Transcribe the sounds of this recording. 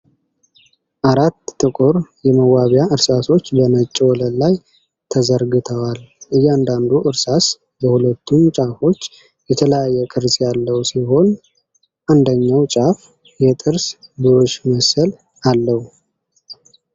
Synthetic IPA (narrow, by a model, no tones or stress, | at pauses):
ʔaɾat̪ːɨkʼʊɾjɛməwaβjaʔɨɾsaso̞t͡ʃːbənət͡ʃʼːɛwɔləllaj | t̪ʰəzəɾɡɨt̪ʰəwalʔɨjːand̪and̪uʔɨɾsas | bəhulət̪ʰːumt͡ʃʼafo̞t͡ʃː | jɛt̪ʰələjajːɛkʼɨɾsjalːəwsiɦo̞n | ʔand̪əɲːawt͡ʃʼaf | jɛt̪ʼɨɾsbɨɾo̞t͡ʃːməsəl | alːəhu